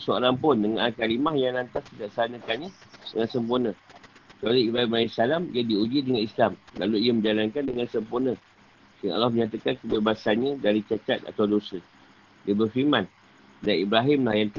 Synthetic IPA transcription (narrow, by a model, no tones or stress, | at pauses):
soo̰ɾaŋpʊndəŋanʔalkalimahjaŋnant̪ask̪itaʔsanə̃kanɲadəŋãnsəmpurnə̃t͡ʃaləibɾaɦimaisalamijadiud͡ʒidəŋanislamla̰luijəmə̃ɲd͡ʒalankandəŋansəmpurnə̃ | siŋaa̰lːahməɲãt̪̬akankəbebasanɲãdaɾit͡ʃat͡ʃat̪̚a̰t̪awdosə | dibərfimãn | danibɾaɦɪmlahjant̪